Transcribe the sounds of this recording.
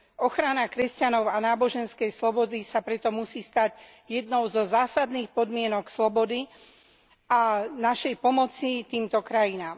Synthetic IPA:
ɔxɾanakɾɛscanɔʊanaːbɔʒɛnskɛjslɔbɔd̪isapɾɛt̪ɔmusiːst̪aɟ | jɛd̪nɔʊzɔzaːsad̪niːxpɔd̪mɪɛnɔkslɔbɔd̪i | ʔanaʃɛjpɔmɔt͡sit̪iːmt̪ɔkɾajinaːm

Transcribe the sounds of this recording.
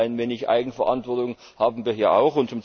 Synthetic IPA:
ɪnveːnɪçʔa̰ɪɡŋ̩fɛɐʔa̰ntv̥ɔɐtʊŋ | haːbm̩viːɐɦiːɐʔa̰ʊxʊntt͡sʊmt͡s

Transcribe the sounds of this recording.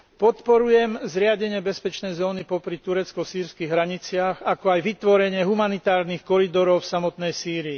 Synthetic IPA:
pɔt̪pɔɾujɛmzɾɪaɟɛɲɪɛbɛspɛt͡ʃnɛjzɔːnipɔpɾit̪uɾɛt͡skɔsiːɾskiɣɦɾaɲit͡sɪaxakɔajʋit̪ʋɔɾɛɲɪɛɦumanit̪aːɾnixkɔɾid̪ɔɾɔʊfsamɔt̪nɛjsiːɾiː

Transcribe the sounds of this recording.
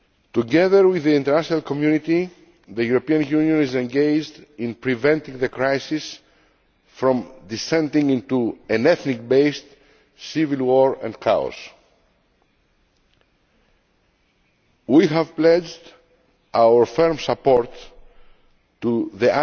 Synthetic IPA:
t̪uɡɛðəɾwiðiĩnt̪əɾnaʃonalkomjunit̪i | ðəjuɾopiãnjunjõnizẽnɡejd͡ʒd̪ĩnpɹivɛ̃nt̪ĩŋðəkɾajsis | fɾɔ̃md̪isɛ̃nd̪ĩŋĩnt̪uɛ̃nɛθnik̚bejst̪ | sivilwoɹɛ̰̃nkʰa̰o̰s | wiɦəvplɛd͡ʒd̪ | awəɹfɛɹmsapoɹt̪ | uðiʔa

